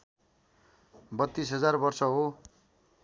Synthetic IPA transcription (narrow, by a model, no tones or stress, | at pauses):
bʌt̪ːisɦʌd͡zarbʌrsʌɦo